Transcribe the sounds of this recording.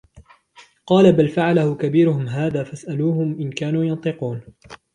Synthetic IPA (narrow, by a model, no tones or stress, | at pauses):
qɑːlabalfaʕalahʊkabiːɾʊhʊmɦaːðaːfasʔaluːhʊmʔɪnkaːnuːjɑnt̪ˤɨquːn